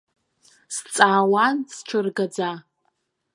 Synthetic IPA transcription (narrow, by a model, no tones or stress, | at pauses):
st͡sʼaːwansʈ͡ʂʷʰɨrɡad͡za